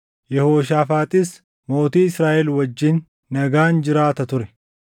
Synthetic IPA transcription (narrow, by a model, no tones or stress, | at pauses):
jɛhoːʃaːfaːt̪ʼɪs | mo̞ːt̪iːɪsɾaːʔɛlwɐd͡ʒːɪnː | ɐɡaːnd͡ʒɪɾaːt̪ɐt̪ʊɾɛ